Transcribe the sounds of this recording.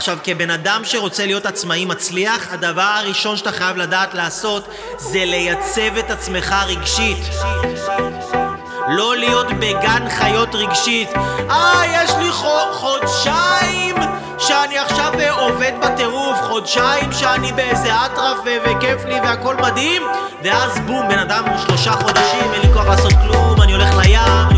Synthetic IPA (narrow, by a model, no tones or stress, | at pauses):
aχʃavke̞be̞nadamʃe̞ʁo̞t͡selijo̞tat͡smaimat͡sliaχhad̪avaʁaʁiʃo̞nʃḁt̪aχajavladaːt̪laːso̞t | ze̞le̞jat͡se̞ve̞tat͡sme̞χaʁiɡʃit̪ | lo̞lijo̞tbe̞ɡanχajo̞tʁiɡʃitʔajeʃliχoχodʃaim | ʃeaniaχʃavo̞ved̪bate̞ʁufχo̞dʃaimʃeanibeezeatʁafvevekefliveako̞lmad̪him | veazbumbe̞nad̪amuʃlo̞ʃaχo̞d̪aʃimenlikoaʁlasot̪̚klumanio̞leχlajam